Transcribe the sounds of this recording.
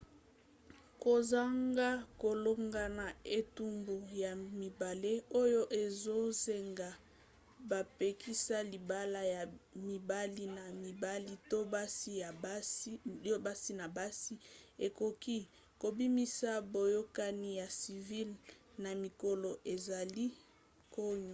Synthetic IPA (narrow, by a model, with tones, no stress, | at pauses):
ko˨za˦ŋɡa˦ko˨lo˦ŋɡa˨na˨e˨tu˦mbu˨ja˨mi˨ba˨le˦o˦jo˦ʔe˨zo˦ze˨ŋɡa˨ | ba˨pe˨ki˦sa˦li˨ba˦la˦ja˨mi˨ba˦li˦na˨mi˨ba˦li˦to˦ba˦si˦ja˨ba˦si˦o˦ba˦si˦na˨ba˦si˦e˨ko˨ki˦ | ko˨bi˦mi˦sa˦bo˨jo˦ka˦ni˦ja˨si˨vi˦lna˨mi˨ko˨lo˨ʔe˨za˨li˦ | ko˦ɲ˨